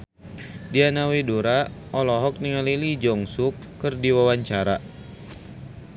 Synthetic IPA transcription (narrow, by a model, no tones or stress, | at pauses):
dianaweduɾaʔɔlɔɦɔk̚niŋalilid͡ʒɔŋsukːɨrdiwawaɲt͡ʃaɾa